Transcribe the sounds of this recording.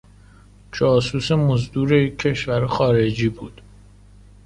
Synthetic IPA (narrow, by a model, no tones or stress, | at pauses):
d͡ʒɒːsuːsemozd̪uːɾejikʰːe̞ʃvæɾxɒːɾed͡ʒiːbuːd̪̥